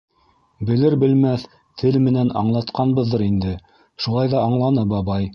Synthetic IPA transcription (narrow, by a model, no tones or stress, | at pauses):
bɘ̆lɘɾbɘ̆lmæθ | t̪ʰɘlmɘ̆nænɑ̰ɴlˠɑt̪̚qɑnbɤðːɤɾind̪ɘ | ʃulˠɑjðɑɑɴlˠɑnɤbɑβɑj